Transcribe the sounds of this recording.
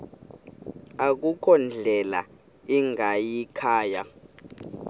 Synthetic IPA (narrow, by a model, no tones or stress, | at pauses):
ak̬ukʰɔnd͡ɮʱɛla̰ | iŋajikʰaːja